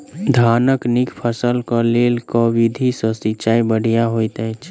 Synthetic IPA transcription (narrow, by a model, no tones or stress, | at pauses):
d̪ʱaːnəknikpʰəsəlkəleːlkɔʋid̪ʱisəsit͡ʃaːibəɽ̤ijaɦoit̪ɛ̃t͡ʃʰ